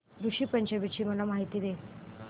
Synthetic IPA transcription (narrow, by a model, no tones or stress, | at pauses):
d̪uɕiːpəɲd͡ʑabit͡ɕiːməlamaɦit̪iːd̪e